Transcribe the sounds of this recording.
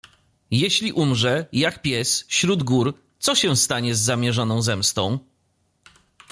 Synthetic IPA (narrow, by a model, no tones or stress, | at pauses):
jeɕlʲiʔumʐɛjakpʲjɛsfɕɾud̪ɡuɾ | t̪sɔɕɛ̃st̪aɲɛzːamʲjɛʐɔnɔ̃w̃zɛmst̪ɔ̃w̃